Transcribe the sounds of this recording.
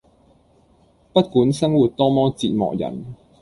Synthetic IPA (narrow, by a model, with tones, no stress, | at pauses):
pɐ˥t̚kuː˨˥nsɐ˥ŋwuː˨˩t̚t̪ɔː˥mɔː˥t͡siː˨t̚mɔ̰ː˨k̚jɐ̰˨˩n